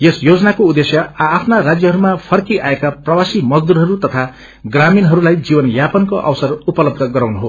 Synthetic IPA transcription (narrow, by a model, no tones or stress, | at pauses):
jesjod͡zʌnakoud̪esjʌːpʰnarad͡zjʌɦʌɾumapʰʌrkiʔaekaprʌwasimʌd͡zd̪uɾɦʌɾut̪ʌt̪ʰa | ɡraminɦʌɾulajd͡zibʌnjapʌnkoʔʌ̰wsʌrupʌlʌb̚d̪ʱʌɡʌɾawnuɦo